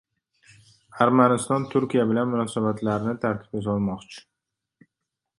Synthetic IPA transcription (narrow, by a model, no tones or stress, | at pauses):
aɾmanɪst̪ɒnt̪ʰʊɾkʲijabɪlanmʊnɒsabat̪ʰlaɾnɪt̪ʰaɾt̪ʰɪ̥pezɒlˠmɒqt͡ʃʰɪ̥